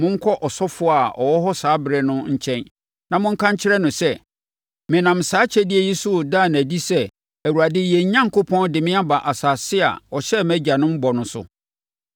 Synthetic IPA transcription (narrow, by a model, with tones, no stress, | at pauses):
mʊ̃˦ŋ̩˦kʰɔ˦ʔɔ˨sɔ˦fʊ˦˨a˨ɔ̰˨wɔ˦ɦɔ˦saː˨˦bɪ˨ɾɛ˨nʊ̃˦ɲ̩˨t͡ɕʰɛ̃˦n | nã˨mʊ̃˦ŋ̩˦kʰã˦ɲ̩˦t͡ɕʰɪ˦ɾɛ˦nʊ̃˨sɛ˦ | mɪ̃˨nã˨m̩˨saː˨˦t͡ɕʰɛ˦dɪ˦ɛ˦˨ji˦su˦˨daː˦˨n˨æ˨di˦sɛ˦ | æ˨wu˨ɾa˨dɪ˦jɛ˨˦ɲã˦ŋ˨kʰo˦pʰɔ̃˦ndɪ˨mɪ̃˦a˦ba˨ʔa˨saː˨sɪ˦a̰˨ɔ˨ɕɛ˦mæ˦d͡ʑa˨nʊ̃˦m̩˦bɔ˨nʊ̃˨sʊ̰˨